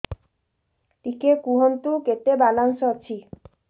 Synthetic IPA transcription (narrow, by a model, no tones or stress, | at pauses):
ʈikekuɦont̪uket̪ebalansɔat͡ɕʰi